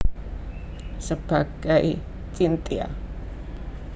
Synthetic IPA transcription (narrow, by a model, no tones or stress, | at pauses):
səb̥aɡ̥aj | t͡ʃʼint̪ʼia̰